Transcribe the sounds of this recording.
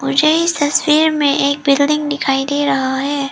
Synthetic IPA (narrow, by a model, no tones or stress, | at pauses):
mʊd͡ʒʱeɪst̪ɐswiːɾmẽʔeːk̚bɪlɖɪ̃ŋɡnɪkʰaːid̪eːɾɐɦaɦɛː